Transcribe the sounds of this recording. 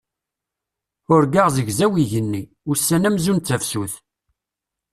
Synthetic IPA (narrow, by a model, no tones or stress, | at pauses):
ʊɾɡaʁzəʝzæwiʝənːi | ʊsːænæmzunt͡sːæfsuθ